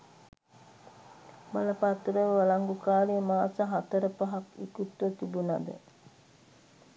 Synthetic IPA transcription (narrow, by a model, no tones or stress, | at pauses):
baləpat̪ɾəʋalaŋɡukaːlemaːsəɦat̪əɾəpaɦakḭkut̪ʋət̪ibunad̪ə̰